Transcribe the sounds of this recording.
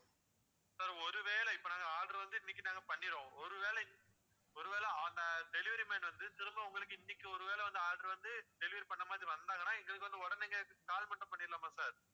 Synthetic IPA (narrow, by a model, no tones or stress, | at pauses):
saːɾɔɾɯʋeːɭɐɪpːoːnaːŋɡɐaːɾɖɐɾʋɐnd̪ɯɪnːɪkːɯnaːŋɡɐpɐɳːɪɾõːɔɾɯʋeːlɐɪn | ɔɾɯʋeːlɐnd̪ɐd̪ɛlɪʋɐɾimeːnʋɐnd̪ɯt̪ɪɾɯmbɐʊŋɡɐɭɯkːɯɪnːɪkːɯɔɾɯʋeːɭɛʋɐnd̪ɯaːɾɖɐɾʋɐnd̪ɯd̪ɛlɪʋɐɾipɐɳːɐmaːðɾiʋɐnd̪aːŋɡɐnaːɛŋɡɐɭɯkːɯʋɐnd̪ɯɔɽɐnɛŋɡɐɭkːɯk̪aːlmɐʈːɐ̃mpɐɳːɪɾɪlaːmaːsaːɾ